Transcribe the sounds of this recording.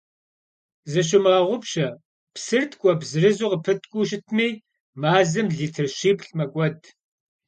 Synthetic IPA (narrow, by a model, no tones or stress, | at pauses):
zɐɕ̬ɪmʁɐʁʷʊpɕɐ | psɨrtʰkʷʼɔbzɨrɨzuqəpʰɨtʰʼkʷʼuʃɪtʰmiː | maːzɨmɮiːtʰɨrɕiːpɬmɐkʷʼɔd